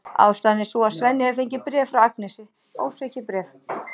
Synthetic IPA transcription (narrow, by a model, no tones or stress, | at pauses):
a̰ːwst̪aːðnːɪsɔasvɛnːɪhɛvɪfeɲcɪpɾɛːvfɾawak̚nɛsɪ | o̰ːwsɛhcɪpɾɛːf